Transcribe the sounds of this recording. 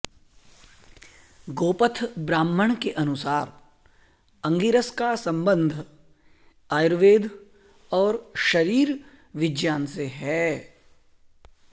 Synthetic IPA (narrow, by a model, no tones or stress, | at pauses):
ɡoːpət̪ʰbɾaːmːəɽ̃keʔɐnʊsaːɾ | ɐ̃ŋɡiɾəskasɐ̃mbə̃nd̪ʱ | aːjɾʋeːd̪ʱ | ɔːɾʃɐɾiːɾ | ʋɪd͡ʒjaːnseɦɛː